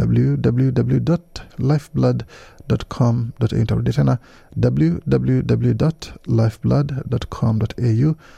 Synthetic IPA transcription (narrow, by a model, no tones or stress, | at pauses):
dɐ̰bl̩jʉd̪ɑbl̩jʉd̪ɑbl̩jʉd̪ɔt̪laɪfblad̪d̪ɔt̪kʰɔmd̪ɔt̪ːɪnt̪ə̰ɾ̰d̪ɪt̪ʰɛna | d̪ɑbl̩jʉd̪ɑbl̩jʉd̪ɐbl̩jʉd̪ɔt̪laɪfblɐd̪d̪ɔt̪kʰɔmd̪ɔt̪ʰeːjʉː